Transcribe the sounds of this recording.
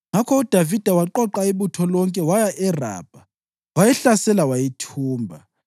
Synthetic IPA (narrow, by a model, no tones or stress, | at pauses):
ŋakʰɔud̥ʱavid̥ʱawaǃɔǃaiβutʰɔlɔŋkʼɛwajaʔɛra̰ːb̥ʱa | wajɛɬasɛlawajitʰuːmbʱa̰